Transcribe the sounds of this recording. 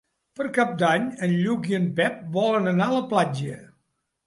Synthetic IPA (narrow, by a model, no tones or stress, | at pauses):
pəɾkap̚d̪aɲənʎuɣiəmpɛp̚bɔlənənaləplad͡ʒə